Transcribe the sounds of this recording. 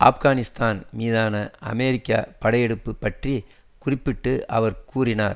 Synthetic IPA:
ʔa̰ːfɣaːnɪst̪aːnmiːðaːnɐɐ̰meːɾɪkːa̰ːpɐɽɐjɛɽɯpːɯpːɐʈri | kʊrɪpːɪʈːɯʔɐʋɐɾkuːrɪna̰ːɾ

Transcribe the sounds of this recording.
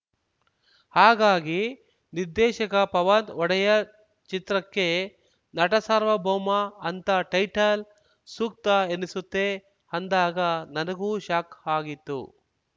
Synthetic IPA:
haːɡaːɡi | niɾd̪ɛːʃɐkɐpɐʋant̪ɔɽɐjɐ | t͡ʃit̪ɾɐkːe̞ | nɐʈɐsaɾʋɐboːmɐːnt̪ɐʈɐjʈɐl | suːk̚t̪ɐenisut̪ːe | ɐnd̪aːɡɐnɐnɐɡuːʃaːkaːɡit̪ːṵ

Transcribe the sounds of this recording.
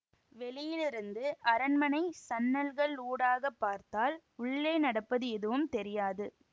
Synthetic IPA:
ʋɛlɪjɪlɪɾɯnd̪ɯʔɐɾɐnmɐnɐɪsɐnːɐlɣɐɭuːɽaːɣɐpːaːɾt̪aːl | ʊɭːeːnɐɽɐpːɐðɯɛðɯʋɯmt̪ɛɾɪjaːðɯ

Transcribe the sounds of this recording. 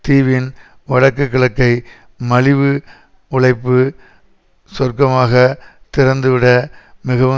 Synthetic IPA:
t̪iːʋɪn | ʋɐɽɐkːɐkːɐɭɐkːɐɪ | mɐlɪʋɯ | ʊɭɐɪpːɯ | sɔrkɐmaːɣɐt̪ɪɾɐnd̪ɯʋɪɽɐmɪɣɐʋɯ

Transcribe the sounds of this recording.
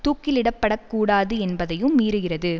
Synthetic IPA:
t̪uːkːɪlɪɽɐpːɐɽɐkːuːɽaːðɯɛnbɐðɐjɯmːiːɾɯɣɪrɐðɯ

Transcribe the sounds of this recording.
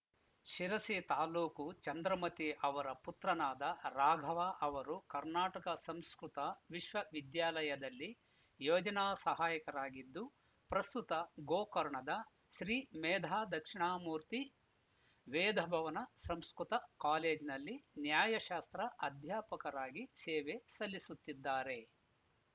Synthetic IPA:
ʃiɾɐsit̪aːluːkut͡ʃɐnd̪ɾɐmɐt̪iʔɐʋɐɾɐput̪ɾɐnaːd̪ɐɾaːɡʱɐʋaːʔɐʋɐɾukɐɾnaːʈɐkɐsɐmskɾut̪ɐʋiʃʋɐʋid̪jaːlɐjɐd̪ɐlːi | joːd͡ʒɐnaːsɐɦaːjɐkɐɾaːɡid̪ːu | pɾɐst̪ut̪ɐɡoːkɐɾɳɐd̪ɐ | ʃɾiːmɛːd̪ʱaːd̪ɐkʂiɳaːmuːɾt̪i | ʋeːd̪ʱɐbʱɐʋɐnɐsɐmskɾut̪ɐkaːleːd͡ʒinɐlːinjaːjɐʃaːst̪ɾɐʔɐd̪ʱjaːpɐkɐɾaːɡisɛːʋesɐlːisut̪ːid̪ːaːɾe̞

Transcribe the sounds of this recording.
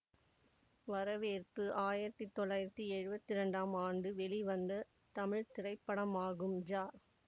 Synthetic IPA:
ʋɐɾɐʋeːrpɯʔaːjɪɾɐt̪ːit̪ːɔɭːaːjɪɾɐt̪ːiɛɻɯbɐt̪ːɪɾɐɳɖaːmaːɳɖɯʋɛɭiʋɐnd̪ɐ | t̪ɐmɪɻt̪ɪrɐɪpːɐɽɐmaːɣɯmd͡ʒaː

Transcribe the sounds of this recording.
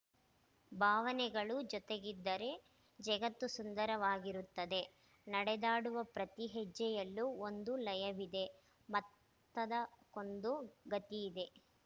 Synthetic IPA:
bʱaːʋɐnɛɡɐɭud͡ʒɔt̪eɡid̪ːɐɾe̞ | d͡ʒɐɡɐt̪ːusund̪ɐɾɐʋaːɡiɾut̪ːɐd̪e̞ | nɐɽɛd̪aːɽuʋɐpɾɐt̪iɦɛd͡ʒːɛjɐlːuond̪ulɐjɐʋid̪e̞ | mɐt̪ː | ɐd̪ɐko̞nd̪uɡɐt̪iːd̪e̞

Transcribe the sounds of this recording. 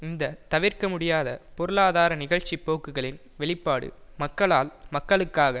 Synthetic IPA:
ɪnd̪ɐt̪ɐʋɪɾkɐmʊɽɪjaːðɐpɔɾɯlaːðaːɾɐnɪɣɐɻt͡ʃːipːoːkːɯɣɐɭɪn | ʋɛɭɪpːaːɽɯ̰mɐkːɐɭaːlmɐkːɐɭɯkːaːɣɐ

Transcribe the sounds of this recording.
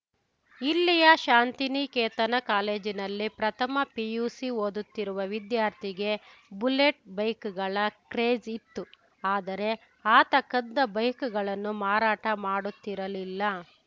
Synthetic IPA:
ilːijɐʃaːnt̪inikeːt̪ɐnɐkaːle̞ːd͡ʒinɐlːipɾɐt̪ʰɐmɐpijuːsioːd̪ut̪ːiɾuʋɐʋid̪jaːɾt̪ʰiɡe̞bule̞ʈ̚bɐjkuɡɐɭɐkɾeːd͡ʒit̪ːu | aːd̪ɐɾe̞ | aːt̪ɐkːɐd̪ːɐbɐjkuɡɐɭɐnːumaːɾaːʈɐmaːɽut̪ːiɾɐlilːɐ

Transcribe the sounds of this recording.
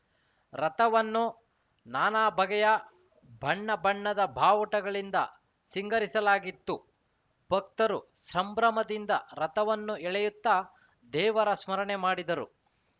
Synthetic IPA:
ɾɐt̪ɐʋɐnːu | naːnaːbʱɐɡɛjɐ | bʱɐɳːɐbʱɐɳːɐd̪ɐbʱaːʋɐʈɐɡɐɭind̪ɐ̰ | siŋɡɐɾisɐlaːɡit̪ːu | b̥ʱɐk̚t̪ɐɾusɾɐmbɾɐmɐd̪ind̪ɐɾɐt̪ɐʋɐnːuɛɭɛjut̪ːɐ | d̪ɛːʋɐɾɐsmɐɾɐɳemaːɽid̪ɐɾṵ

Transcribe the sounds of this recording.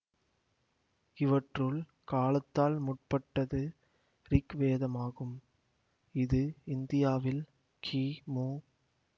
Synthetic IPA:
ɪʋɐʈrɯɭ | kaːlɐt̪ːaːlmʊʈ̚pɐʈːɐðɯ | ɾɪkʋeːðɐmaːɣɯm | ɪðɯɪnd̪ɪjaːʋɪl | kʰiːmoː

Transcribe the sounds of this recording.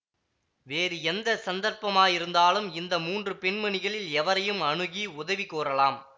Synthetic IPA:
ʋeːɾɯɛnd̪ɐsɐnd̪ɐɾpɐmaːjɪɾɯnd̪aːlɯmɪnd̪ɐmuːndrɯpɛɳmɐɳɪɣɐɭɪlɛʋɐɾɐjɯmɐɳɯɣiʊðɐʋikːoːɾɐlaːm

